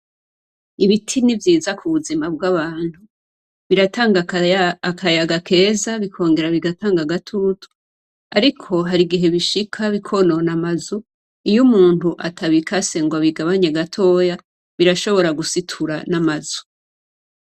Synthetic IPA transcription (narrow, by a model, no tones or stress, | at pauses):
iβitʰinivjiːzakʰuβuzimab̚ɡaβaːnhu | βiɾataːŋɡa | kʰajaɡakʰe̞ːzaβikʰo̞ːŋɡe̞ɾaβiɡataːŋɡaɡatʰutʰu̥ | aɾikʰo̞ɦaɾiɡiɦe̞βiʃikʰaβikʰo̞no̞namazu | ijumuːnthuʔatʰaβikʰase̞ŋɡwaβiɡaβaɲeɡatʰo̞ːja | βiɾaʃo̞βo̞ɾaɡusitʰuɾanamazu̥